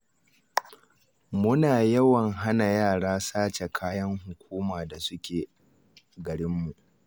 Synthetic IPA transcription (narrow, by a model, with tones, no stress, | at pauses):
mʊ˦naː˨jɐ˦wɐ˨ŋɦa˦na˨jaː˦˨ɽaː˦saː˦t͡ʃe˨kʰaː˦jɐ˦ŋɦʊ˨kʷʰuː˦maː˨da˨sʊ˦kʲʰeː˨ | ɡɐ˨ɽɪ˦mːu˨ʔ